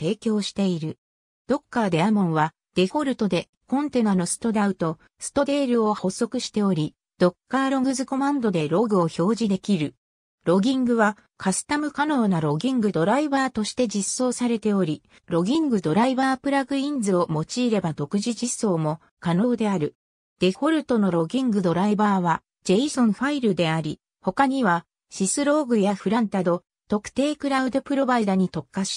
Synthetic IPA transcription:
t̪e̞ːkʲo̞ːɕi̥t̪e̞iɾɯ̟ | d̪̥o̞kːad̪e̞amõ̞ɰ̃βa | d̪̥e̞ho̞ɾɯ̟t̪o̞d̪e̞ | kõ̞nt̪e̞nano̞sɨ̥t̪o̞d̪aɯ̟t̪o̞ | sɨ̥t̪o̞d̪e̞ːɾɯ̟o̞ho̞sːo̞kɯ̟ɕi̥t̪e̞o̞ɾʲi | d̪̥o̞kːaːɾo̞ɡɯ̟zɨko̞mãnd̪o̞d̪e̞ɾo̞ɡɯ̟o̞ço̞ːʑid̪e̞kʲiɾɯ̟ | ɾo̞ɡʲĩŋɡɯ̟βa | kʰasɨ̥t̪amɯ̟kano̞ːnaɾo̞ɡʲĩŋɡɯ̟d̪o̞ɾaibaːt̪o̞ɕi̥t̪e̞d͡ʑisːo̞ːsaɾe̞t̪e̞o̞ɾʲi | ɾo̞ɡʲĩŋɡɯ̟d̪o̞ɾaibaːpɯ̟ɾaɡɯ̟ĩnd͡zɨo̞mo̞t͡ɕiːɾe̞bat̪o̞kɯ̟ʑiʑiso̞ːmo̞ | kano̞ːd̪e̞aɾɯ̟ | d̪̥e̞ho̞ɾɯ̟t̪o̞no̞ɾo̞ɡʲĩŋɡɯ̟d̪o̞ɾaibaːβa | d͡ʑe̞isõ̞ɰɸaiɾɯ̟d̪e̞aɾʲi | ho̞kaɲ̟iβa | ɕisɨɾo̞ːɡɯ̟jaɸɯ̟ɾãnt̪ad̪o̞ | t̪o̞kɯ̟̥t̪e̞ːkɯ̟ɾaɯ̟d̪opɯ̟ɾo̞baid̪aɲ̟it̪o̞kːaɕi̥

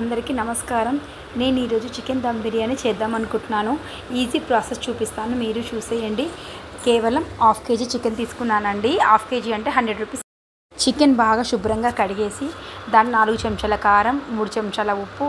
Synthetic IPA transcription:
ɐnd̪ɐɾikinɐmɐskaːɾɐm | ne̞ːniːɾo̞ːd͡ʒut͡ʃikːend̪ɐmbiɾijaːnit͡ʃɛːd̪aːmɐnukuɳʈunaːnu | iːziːpɾaːsest͡ʃuːpist̪aːnumiːɾut͡ʃuːsɛːjɐɳɖikɛːʋɐlɐmaːpʰke̞ːd͡ʒit͡ʃikːent̪iːsu̥kunːaːnɐɳɖia̰ːpʰke̞ːd͡ʒiɐɳʈe̞ːɦɐɳɖɾeɖɾuːpiːs | t͡ʃikenbaːɡaːʃubɾɐŋɡaːkɐɽiɡe̞ːsid̪aːnːinaːluɡut͡ʃɐmt͡ʃɐlɐkaːɾɐmːuːɽut͡ʃɐmʃaːlɐupːu

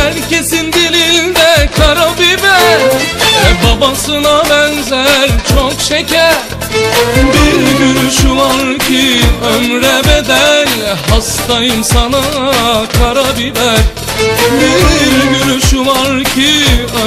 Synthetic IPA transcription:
æɾcesind̪ilild̪ɛkʰaɾabibɛɾɛbabasɯnabɛnzæɾt͡ʃʰokʃɛcʰæɾ | biɾɟyɾyʃulˠaɾcʰiømɾɛbɛd̪ælɦast̪ajɯmsanakʰaɾabibæɾ | biɾɡyɾyʃulˠaɾcʰi

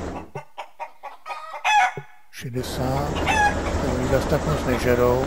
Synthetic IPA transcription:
ʃɛdɛsaːt̪ɛoɲizast̪aknosnɛʒɛɾow

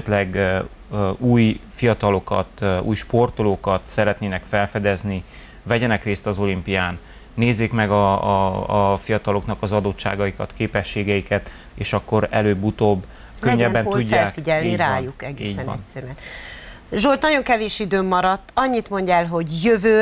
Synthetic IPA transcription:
ɛt̪lɛɡ | uːjfijɒt̪ɒlo̞kɒ̰t̪ṵːjʃpo̞rt̪oloːkɒt̪sɛɾɛt̪neːnɛkfɛlfɛd̪ɛzni | vɛɟɛnɛkreːst̪ɒzo̞limpijaːnː | eːzːeːkmɛɡɒ | fijɒt̪ɒlo̞knɒkɒzɒd̪ot̪t͡ʃːa̰ːɡɒjikɒt̪keːpɛʃːeːɡɛjikɛt̪ | eːʃɒkːo̞ɾɛløːbːut̪oːbː | køɲːɛbːɛnuɟːaɛlːkfiɟɛlniɾaːjukɛɡiɛn̰ɛcsɛɾyɛn | ʒolt̪nɒɟo̞ŋkɛveːʃid̪øːmːɒɾɒt̪ːɒɲːit̪mo̞ɲɟɛːlɦo̞ɟjøvøː

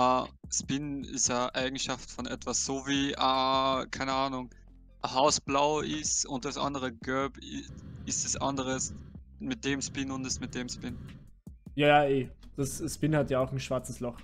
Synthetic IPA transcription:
aspɪnɪ̰stjaːʔaɪɡŋ̩ʃaftfɔnʔɛtv̥asz̥oːviːʔaːkʰaɪnəaːnʊŋ | haʊsb̥laʊʔɪsʊnt̚d̥asʔa̰ndəʁəɡœbɪɪsd̥asʔa̰ndəʁəsmɪt̚d̥eːmspɪnʊndɛsmɪt̚d̥eːmspɪn | jaːjaːeːd̥asspɪnhatjaːʊxn̩ʃv̥aɐt͡səslɔχ

